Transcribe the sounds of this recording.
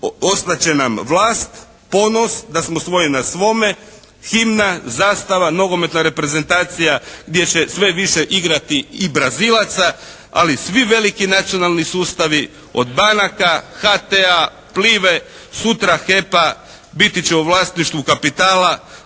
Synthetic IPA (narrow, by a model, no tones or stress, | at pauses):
o̞st̪at͡ɕe̞namʋlˠaːst̪ | po̞nosd̪asmosʋo̞jenasʋo̞me̞ | ximnazaːst̪aʋano̞ɡo̞me̞t̪naɾe̞pɾe̞ze̞nt̪aːt̪sijaɡd̪je̞t͡ɕe̞sʋe̞ʋiʃeʔiɡɾat̪iːbɾazilˠat̪sa | a̰lisʋiʋe̞likinat̪sijo̞nalˠnisuːst̪aʋi | o̞̰d̪banakaxat̪ea | pliːʋe̞ | sut̪ɾaxe̞pa | bit̪it͡ɕeuʋlˠaːst̪niʃt̪ʋukapit̪aːla